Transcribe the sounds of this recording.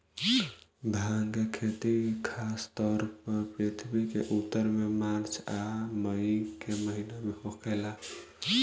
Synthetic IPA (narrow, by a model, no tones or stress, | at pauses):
bʱãŋkekʰet̪ikʰast̪ɔɾpəɾpɾet̪ʰbikḛʔut̪ːəɾmemaɾt͡ʃʰaməɪkeməɦinameɦokʰɛɪla